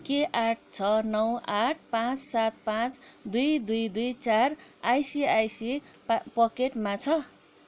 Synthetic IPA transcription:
keʔaʈ̚ʰt͡sʰʌnʌwaʈ̚ʰpãt͡ssat̪̚pãt͡sd̪ujd̪ujd̪ujt͡sarajsiajsi | pʌkeʈmat͡sʰʌ

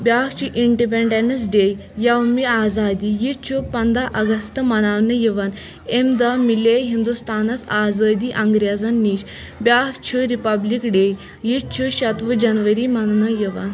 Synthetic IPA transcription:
bʲjaːkt͡ʃʰiʔiɳʈipeɳɖenɐs̬ɖej | jaʋmiaːzaːd̪iːjit͡ʃʰupɐnd̪aʔɐɡɐst̪mɐnaʋnəjiʋan | emd̪amileɦind̪ust̪aːnɐt͡saːzəd̪iːʔɐŋɡɾjad͡zanːiɕ | bjakt͡ʃʰuɾipablikɖej | jitt͡ʃʰuɕɐt̪ʋəd͡ʑɐnʋəɾiːmɐnnəjiʋa̰n

